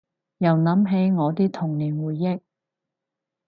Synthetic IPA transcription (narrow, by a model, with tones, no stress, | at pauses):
jɐ˨˩wnɐ˨˧˥mɦe˨˥jŋɔː˨˧t̪iː˥t̪ʰʊ˨˩ŋliː˨˩nwuː˨˩jːɪ˥k̚